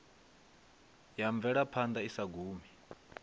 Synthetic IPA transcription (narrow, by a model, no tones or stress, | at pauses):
jaɱb̪vɛɺapʰand̪ʱaisaɡʱuːmi